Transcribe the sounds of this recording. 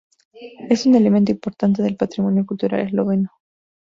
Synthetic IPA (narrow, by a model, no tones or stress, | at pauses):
e̞sune̞lemẽnt̪oimpo̞ɾt̪ant̪e̞ðelpat̪ɾimo̞njo̞kult̪uɾa̰lʔezloβeno